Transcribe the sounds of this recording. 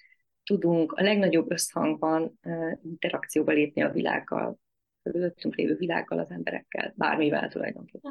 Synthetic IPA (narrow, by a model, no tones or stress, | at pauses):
t̪ud̪uŋkɒlɛɡnɒɟo̞bːø̞shɒŋɡbɒnːint̪ɛɾɒkt̪sijoːbɒleːpniɒvila̰ːɡːɒ̰l | køyløt̪ːyŋklḛːvøːvilaːɡːɒlɒzɛmbɛɾɛkːɛ̰lba̰ːrmivɛlt̪ulɒ̰jd̪o̞ŋkeːpːɛ